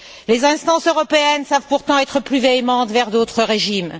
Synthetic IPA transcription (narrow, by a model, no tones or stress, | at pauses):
lezɛ̃st̪ɑ̃søʁɔpeɛnsavpuʁt̪ɑ̃ɛt̪χəplyveemɑ̃t̪vɛʁd̪ot̪χəʁeʒim